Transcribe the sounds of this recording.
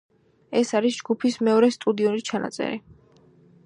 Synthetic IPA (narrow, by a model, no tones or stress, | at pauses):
ɛsaɾisd͡ʒɡupʰismɛɔɾɛst̪ʼud̪iɔnit͡ʃʰanʔa̰t̪sʼɛ̰ɾi